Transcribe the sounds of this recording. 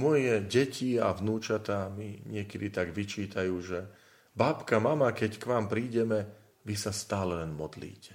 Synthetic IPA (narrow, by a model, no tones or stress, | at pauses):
mɔjɛɟɛcʰiavnuːt͡ʃat̪aːmiɲɪɛkɛd̪it̪aɡʋit͡ʃiːt̪ajuːʒɛ | baːpkamamakɛckʋaːmpɾiːɟɛmɛ | ʋisast̪aːlɛlɛnmɔd̪lḭːcʰɛ̥